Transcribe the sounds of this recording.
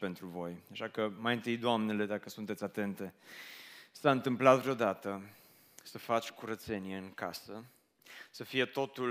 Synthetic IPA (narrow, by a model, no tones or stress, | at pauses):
pe̞nt̪ɾuvo̞jaʃakəmajɨnt̪ɨjd̪oamnele̞d̪akəsunt̪et̪sʲat̪e̞nt̪e̞ | saɨnt̪ɨmplat̪vɾeod̪at̪ə | səfat͡ʃʲkuɾət̪se̞nie̞ɨŋkasə | səfije̞t̪o̞t̪u